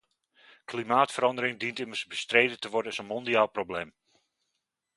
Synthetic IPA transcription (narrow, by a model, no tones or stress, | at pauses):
klimaːtfəɾɑndəɾɪŋdintɪmərsbəstreːdətəʋɔrdənəsənmɔndiaːlˠproblem